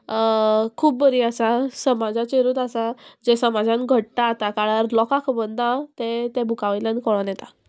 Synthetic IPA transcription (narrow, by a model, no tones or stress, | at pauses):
kʰuːp̚bəɾiasasəmad͡zat͡ɕeɾuːt̪asad͡ʑesəmad͡zãnɡʱəʈːaːt̪akaɽaɾlɔkakʰupənd̪ãt̪et̪ebʱukaʋalãnkɔɭanjɛt̪a